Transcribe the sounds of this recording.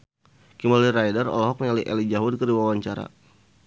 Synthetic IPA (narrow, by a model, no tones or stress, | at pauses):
kimaliɾajdarɔ̰lɔɦɔk̚mɲaliʔɛ̰lid͡ʒaɦʊd̚kəɾiwawaɲt͡ʃaɾa̰